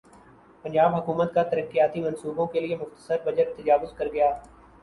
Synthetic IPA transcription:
pɐ̃nd͡ʒaːbɦɐkuːmət̪kat̪ɐɾəkːijaːt̪imɐ̃nsuːbõkeliemʊxt̪ə̥səɾbɐd͡ʒəɾt̪ɐd͡ʒaːʋʊzkɐɾɡɐjaː

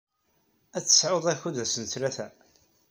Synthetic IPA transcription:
æt͡sːə̥sʕoðˤæçuðæsənθlæθæ

